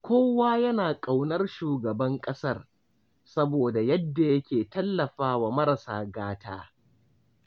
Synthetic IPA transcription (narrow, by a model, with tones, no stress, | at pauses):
kʷoː˦waː˦jɐ˦naː˨kʼa˨wnɐ˦rʃuː˨ɡɐ˨bɐ˦ŋkʼɐ˦sɐ˦˨r | sɐ˦boː˨da˨jɐ˦dːa˨jɐ˦kʲeː˨tɐ˦lːɐ˨ɸaː˦wa˨mɐ˦ɾɐ˨saː˦ɡaː˦tʰaː˦